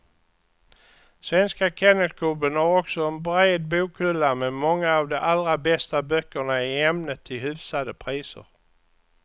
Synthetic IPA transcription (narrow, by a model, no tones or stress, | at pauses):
svɛnskakʰɛnəlkʰɵbənhaɾɔksɔɛnbɾeːd̪̚buːkʰːɵlːamɛmɔŋːaːvd̪ɔʔalɾabɛst̪abœkːəɳaɪɛmnət̪ʰːɪlhʉvsad̪əpʰɾiːsə̰ɾ